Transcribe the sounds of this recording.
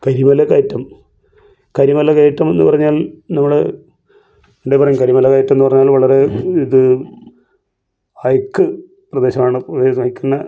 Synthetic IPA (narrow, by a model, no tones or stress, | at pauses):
kɐɾimɐlɐkːɐjtːɐm | kɐɾimɐlɐkɐjtːɐme̞nːɨ̰pɐrɐɲːaːlnɐmːɐɭe | eɳɖepɐrɐɲːumkɐɾimɐlɐkːɐjtːɐmenːɨpɐrɐɲːaːlʋɐɭɐɾe̞iðɨ | ɐjkːɨ | prɐd̪e̞ːɕɐmaːɳɨprɐd̪eːɕɐmɐjkːɐnːɐ